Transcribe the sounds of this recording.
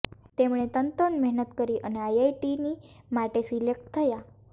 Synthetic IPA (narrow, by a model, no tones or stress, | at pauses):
t̪emɽet̪ənt̪əɳmɛɦnət̪kəɾiʔəneajajʈinimaʈesilek̚ʈt̪ʰəja